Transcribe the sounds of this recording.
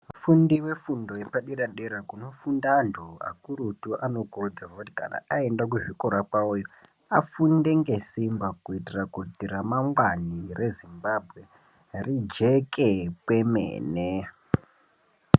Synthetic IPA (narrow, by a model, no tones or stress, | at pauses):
fundiwe̞fundo̞jepaɗiɗaɗeɾakuno̞fundandʱua̰kuɾutuʔano̞kurod͡zewakuti̥ka̰na̰aendak̬uʐikoɾakaujo | afundeŋɡe̞simbakuitirakutiɾamaŋɡwanirʔe̞zimbabʱɣe̞ | rid͡ʒekʰepwe̞mḛːne